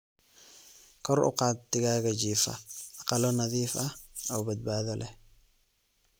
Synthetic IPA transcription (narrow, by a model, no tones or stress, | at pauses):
kʰɔrʔʊ̰qɑːt̪ːɪɣaːɣɐd͡ʒiːfɐ̰ʔɑqɑlɔnɐðiːfɐɔbɐd̪̚baːðɔlʔɛ